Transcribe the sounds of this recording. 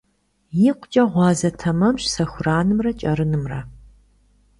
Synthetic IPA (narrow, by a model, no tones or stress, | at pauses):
jɪqʷʰʼt͡ʃʼɐʁʷɑːzɐtʰɐmɐmɕsɐxʷʊraːnɨmrɐt͡ʃʼɐɾɨnɨmrɐ